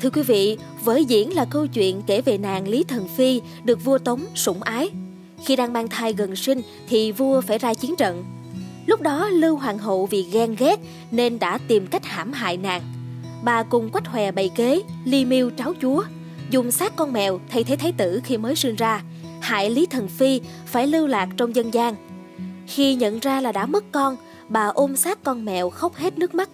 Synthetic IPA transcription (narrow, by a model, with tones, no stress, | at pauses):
t̪ʰɨ˧əkwi˨˦vḭ˧˨ | vəː˨˦jzḭ˧˥ənlaː˨˩kə˧wt͡ɕwḭ˧˨ənke˧˩ve˨˩na̰ː˨˩ŋli˨˦t̪ʰə˨˩nfi˧ | ɗɨ˨˩ək̚vu˧ət̪ə˨˦wŋ͡msʊ˧˩ŋ͡mʔaː˨˦j | xi˧ɗaː˨˩ŋɓaː˧nt̪ʰaː˨˩jɣə˨˩nsï˧ŋ̟ | t̪ʰi˨˩vu˧əfaː˧˩jzaː˧t͡ɕi˨˦ənt͡ɕə̰˧˨n | lʊ˦˥k͡p̚ɗɔ˨˦lɨ˧wɦwaː˨˩ŋɦo̰˧˨wvi˨˩ɣɛ˧nɣɛ˦˥t̚ | ne˧nɗa̰ː˧˥t̪i˨˩mka˦˥k̚haː˧˩mɦa̰ː˧˨jna̰ː˨˩ŋ | ɓaː˨˩kʊ˨˩ŋ͡mkwa˦˥k̚hwɛ˨˩ɓə̰˧˨jke˨˦li˧mi˧əwt͡ɕaː˨˦wt͡ɕu˨˦ə | zʊ˨˩ŋ͡msaː˦˥kːɔ˧nmɛ̰˨wt̪ʰə˧jt̪ʰe˨˦jt̪ʰjt̪ɨ̰˧˩xi˧məː˨˦jsi˧nzaː˧ | ha̰ː˧˨jli˨˦t̪ʰə˨˩nfi˧faː˧˩jlɨ˧wlaː˨˩k̚t͡ɕɔ˧wŋ͡mzə˧nzaː˧ŋ | xi˧ɲə̰˧˨nzaː˧laː˨˩ɗa̰ː˧˥mə˦˥kkɔ˧n | ɓaː˨˩ʔo˧msaː˦˥kkɔ˧nmɛ̰˨wxə˦˥wk͡p̚he˦˥t̚nɨ˦˥k̚ma˦˥t̚